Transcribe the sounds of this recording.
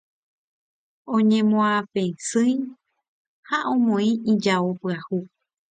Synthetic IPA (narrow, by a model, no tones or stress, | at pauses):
õɲẽmõãfẽsɨ̃j | haʔõmõĩid͡ʒaopɨahu